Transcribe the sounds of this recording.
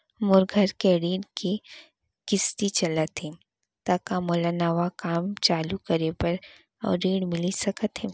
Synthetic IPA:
mʊɾɡʱəɾkeɾiːɖki | kɪst̪it͡ʃɐlət̪ɦe | t̪akamoːlanaːʋakaːmt͡ʃaːlukɐɾepɐɾ | ɔ̰ːɾːiːɽmɪlisɐkət̪ɦɛ

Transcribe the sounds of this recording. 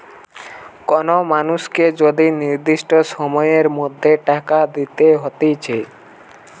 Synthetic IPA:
kɔnomanusked͡ʒod̪iniɾd̪iʃʈosɔmɔjeɾmod̪ʱːeʈakad̪it̪eɦot̪it͡ʃʰe

